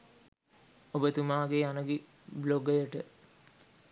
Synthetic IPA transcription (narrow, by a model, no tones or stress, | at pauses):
obət̪umaːɡeanəɡi | bloɡəjəʈə